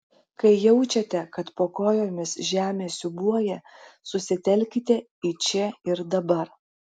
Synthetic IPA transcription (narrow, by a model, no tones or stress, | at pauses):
kɐɪjɛʊt͡ʃʲɛt̪ʲɛkɐt̪poːkoːjoːmʲɪsʒʲæːmʲeːsʲʊbuɔjɛsʊsʲɪt̪ʲɛlʲkʲɪt̪ʲɛ | it͡ʃʲɛɪɾd̪ɐbɐɾ